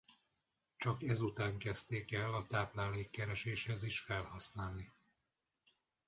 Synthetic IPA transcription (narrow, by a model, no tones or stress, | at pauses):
t͡ʃɒkɛzut̪aːŋkɛst̪eːkɛlːɒt̪aːplaːleːkːɛɾɛʃeːʃhɛziʃfɛlhɒsnaːlni